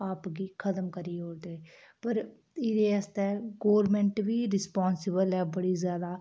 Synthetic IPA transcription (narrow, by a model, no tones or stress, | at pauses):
aːpɡiːkʰət̪əmkəɾiːɦoːɾd̪eː | pəɾ | ɪd̪eːəst̪ɛːɡoːɾmɛ̃ːɳʈʋiːɾɪspaːnsɪbəlɛːbəɽiːzjaːd̪aː